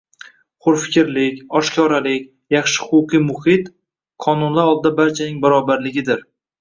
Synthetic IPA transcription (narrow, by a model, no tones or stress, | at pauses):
χʊɾfɪ̥kʲɾlɪkʲɒʃkʲʰɒɾalɪkʲ | jɑχʃɪ̥χʊʊqʰijmʊhɪt̪ | qʰɒnʊnlaɾɒlˠd̪ɪd̪abaɾt͡ʃʰanɪŋbaɾɒbaɾlɪɡʲɪd̪ɪɾ